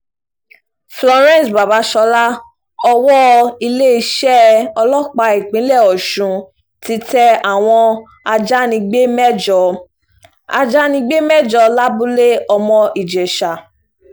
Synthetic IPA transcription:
flɔ˧ɾɛ̃˦˨sba˨ba˨˦ʃɔ˧la˦ | ɔ˧wɔ˦i˧le˦i˧ʃɛ˦ɔ˧lɔ˦k͡pa˧i˨k͡pĩ˨˦lɛ˦˨ɔ˨ʃũ˨ | ti˧˦tɛ˧a˨w̃ɔ̃˧ | a˧d͡ʒa˦nĩ˧ɡ͡be˦mɛ˦d͡ʒɔ˧ | a̰˧d͡ʒa˦nĩ˧ɡ͡be˦mɛ˦d͡ʒɔ˧la˦bu˦le˦ɔ˧mɔ̃˧ʔi˨d͡ʒɛ˨ʃa˨

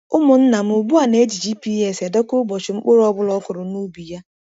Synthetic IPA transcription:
ʊ˦mʊ˨n̩˦na˨m̩˦ʊ˨bu˦a˨ne˨˦d͡ʒi˨d͡ʒi˦pi˦e˦se˨dɔ˦kʊ˦ɡ͡bɔ˨t͡ʃɪ˨ŋ͡m̩˦k͡pʊ˦ɾɔ˦bʊ˦lɔ˦kʊ˨ɾʊ˨nu˦bi˨ja˦

